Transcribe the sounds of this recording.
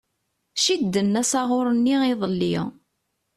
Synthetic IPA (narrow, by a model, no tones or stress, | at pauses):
ʃid̪ːənːæsɑʁʊɾˤənːiiðˤəlːi